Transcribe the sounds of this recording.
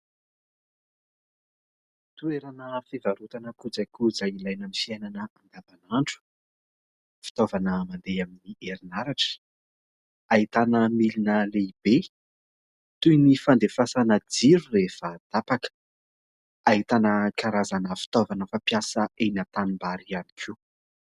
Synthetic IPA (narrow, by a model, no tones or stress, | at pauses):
t̪ueɾanəfevaɾut̪anəkud͡zajkud͡zailajnamifiananəand̪avanaɳʈ͡ʂu̥ | fi̥t̪ovanəmand̪eaminieɾinaɾaʈ͡ʂə̥ | ait̪anəmilinəleib̥e | t̪ujnifand̪efasanad͡ziɾurefad̪̥apakə̥ | aɦit̪anəkaɾazanəfi̥t̪ovanəfapjasəenat̪animbaɾiani̥kʰi